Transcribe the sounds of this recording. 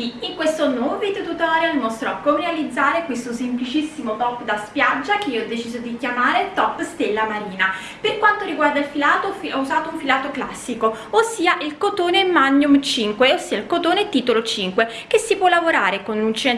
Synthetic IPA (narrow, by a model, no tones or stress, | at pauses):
iiŋkwest̪onovit̪ːet̪ut̪aːɾealmɔst̪ɾɔkːomɾealid̪zːaːɾekwest̪osemplit͡ʃisːimot̪ɔpːd̪aspjad͡ʒːakeiːoɔd̪et͡ʃiːzod̪ikjamaːɾet̪ɔpːst̪elːamaɾiːna | perkwant̪oɾiɡward̪ailfilaːt̪ofɛuzaːt̪ouɱfilaːt̪okla̰sːiko | osːiːaʔilkot̪oːnemanːjumt͡ʃiŋkweosːiːailkot̪oːnet̪iːt̪olot͡ʃiŋkwe | kesːipwɔlːavoɾaːɾekonunt͡ʃɛn